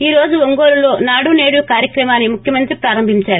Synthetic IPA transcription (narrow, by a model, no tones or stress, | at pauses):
iːɾo̞ːd͡ʒuʋoŋɡo̞ːɾulo̞ːnaːɽune̞ːɽukaːɾjɐkɾɐmaːnːimukʰjɐmɐnt̪ɾipɾaːɾɐmbʱiɲt͡ʃaːɾu